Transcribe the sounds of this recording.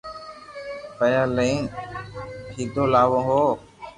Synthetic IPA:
pəjaleːn | kʰiːd̪oːlaːʋõːɦoː

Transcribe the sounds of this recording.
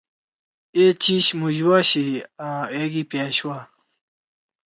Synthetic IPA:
et͡ɕiɕmuʑwaɕiãeɡipaːɕwa

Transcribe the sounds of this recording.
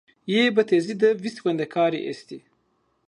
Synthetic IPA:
jebɐt̪ezid̪əviswɐnd̪ɐkʰɑːɾḭʔḛst̪i

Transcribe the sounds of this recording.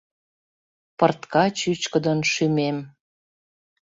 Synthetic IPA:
pərt̪kɑt͡ɕyt͡ɕkə̆d̪ənʃymem

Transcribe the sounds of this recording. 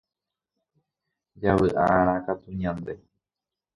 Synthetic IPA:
d͡ʒaβɨʔa̰ʔaɾ̃ãkat̪uɲãnd̪e̞

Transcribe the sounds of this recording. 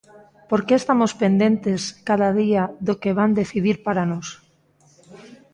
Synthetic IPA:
poɾkeːst̪amospend̪ent̪eskaðaðiaðokeβand̪eθiðiɾpaɾanos

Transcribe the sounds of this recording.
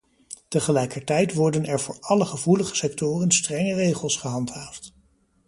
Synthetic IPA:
təχəlɛjkəɹtɛjtʋɔɹdənɛɹvʊːɹɑləχəvuləχə̥sɛk̚tʊːrənstrɛŋərejχəlˠsχəɦɑntɦaːft

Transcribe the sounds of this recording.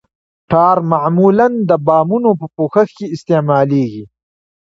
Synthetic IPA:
ʈʰaːɾmaʕmuːlɐnd̪əbaːmunopəpoːxɐxkeɪst̪emaːleːɡi

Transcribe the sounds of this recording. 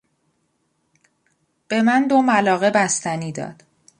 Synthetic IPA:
b̥e̞mænd̪omælɒːɣe̞bæst̪æniːd̪ɒ̰ːd̪̥

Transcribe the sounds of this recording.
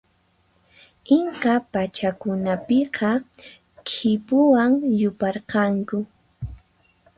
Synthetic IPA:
ɪŋkapat͡ʃakʊnapɪqɑ | kʰɪpʊwaŋjʊpɑɾqɑŋkʊ

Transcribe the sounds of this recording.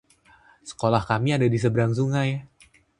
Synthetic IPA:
sə̥kolahkamiadadis̬əbɾaŋs̬uŋaj

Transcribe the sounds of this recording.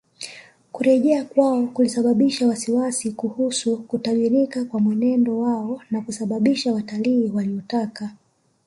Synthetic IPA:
kuɾɛʄɛakwaɔkulisaɓaɓiʃawasiwasikuhusukutalinikakwamwɛnɛndɔwaɔnakusaɓaɓiʃawataliːwaliɔtaka

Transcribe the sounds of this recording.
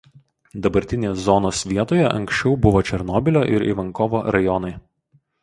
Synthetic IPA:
d̪ɐbɐɾʲt̪ʲɪnʲeːszɔnoːsʋʲiɛt̪oːjɛʔɐ̰ŋksʲt͡ʃʲɛʊbʊʋoːt͡ʃʲɛɾnɔːbʲɪlʲoːʔɪɾḭʋɐŋkoʋoːɾɐjɔnɐɪ

